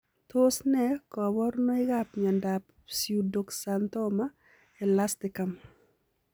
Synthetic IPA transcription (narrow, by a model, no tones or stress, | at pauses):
tosnɛkɔbɔɾnɔɪɡapɲandap | sjudoksantɔma | ɛlastɪkam